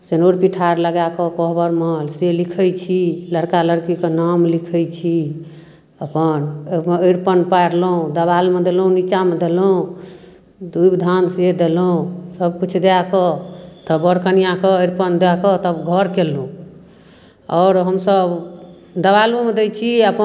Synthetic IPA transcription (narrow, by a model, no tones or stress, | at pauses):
senoɾpiʈʰaɾləɡakəkɔɦbəɾməlselikʰəjt͡ʃʰiləɽkaləɽkikenamlikʰəjt͡ʃʰi | əpənəjɾpənpajɾloũd̪əβalmed̪elũnit͡ʃamed̪elũ | d̪uibd̪ʱansed̪elõsəbkut͡ʃʰd̪eakɔt̪əbəɾkənijãkeəɾpənd̪akɔt̪əbɡʱəɾkelũ | ɔːɾɦəmsəb | d̪əbalomed̪ɛjt͡ʃʰiəpə